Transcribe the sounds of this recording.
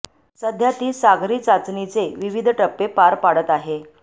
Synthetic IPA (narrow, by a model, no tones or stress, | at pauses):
səd̪ʱjat̪iːsaɡɾiːt͡sat͡snit͡seʋiʋid̪ʱʈəpːepaɾpaɽət̪aɦe